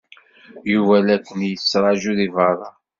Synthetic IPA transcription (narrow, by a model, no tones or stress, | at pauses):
juvælækʷːənjəsːɾˤɑʒuðivɑɾˤɑ̰